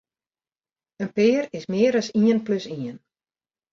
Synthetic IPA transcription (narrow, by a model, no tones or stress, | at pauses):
ənpɪːrɪsmɪəɾəsiənpløsiən